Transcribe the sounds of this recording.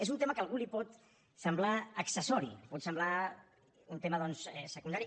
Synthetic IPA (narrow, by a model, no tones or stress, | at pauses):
ezunt̪eməkəalˠɣulipɔt̪ | səmblaəksəsɔɾḭlipɔt̪səmbla | unt̪eməðɔnsɛsəkund̪aɾi